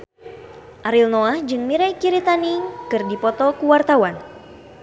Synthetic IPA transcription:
ʔaɾilnoahd͡ʒɨŋmiɾajkiɾit̪anikɨrdipɔt̪ɔkuwart̪awan

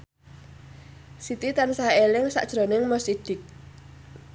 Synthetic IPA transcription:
sit̪it̪ansaelɪŋsa̰ʔd̥ʒ̥ɾo̤nɪŋmɔsid̪̥ɪk̚

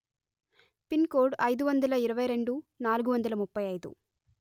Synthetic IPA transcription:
pinkoːɾɖɐjd̪uʋɐnd̪ɐlɐiɾɐʋɐjɾe̞ɳɖunaːluɡuʋɐnd̪ɐlɐmupːɐjɐjd̪ṵ

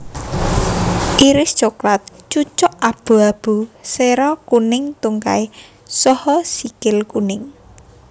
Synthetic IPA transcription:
ʔiɾɪsd̥t͡ʃoklat̪̚t͡ʃut͡ʃɔʔab̥ṳab̥ṳseɾɔkunɪŋt̪uŋka̰e | sɔhɔsikɪlkunɪŋ

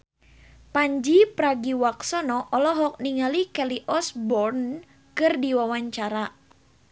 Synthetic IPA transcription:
paɲd͡ʒipɾaɡiwaksɔnɔʔɔlɔɦɔk̚niŋalikɛliʔɔsbɔrn | kɨrdiwawaɲt͡ʃaɾa

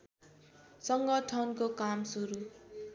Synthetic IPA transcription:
sʌŋɡʌʈʰʌnkokamsuɾu

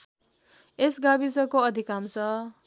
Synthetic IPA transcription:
esɡabisʌkoʌd̪ʱikamt͡sʰʌ

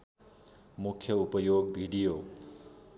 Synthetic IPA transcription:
mukʰjʌupʌjoɡbʱiɽijo

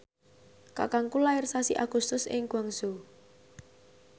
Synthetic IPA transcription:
ka̰kaŋkulaɪrsasiʔaɡ̥ust̪ʊsɪ̰ŋɡ̥aŋsu

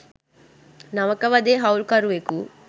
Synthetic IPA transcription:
nɐʋɐkɐʋɐd̪eːɦɐwlkaɾuʋeku

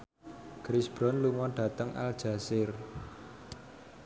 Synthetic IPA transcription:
ɡ̥ɾisb̥ɾɔnluŋɔnɖ̥ä̤t̪əŋʔa̰ld̥ʒ̥a̤sɪr

